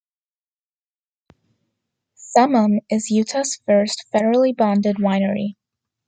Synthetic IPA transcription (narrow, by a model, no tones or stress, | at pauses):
sʌmə̃mɪzjʉtʰɑsfɜ˞stfɛɾə˞l̩ˠibɑ̃ndɨd̚wãɪ̃nə˞ḭ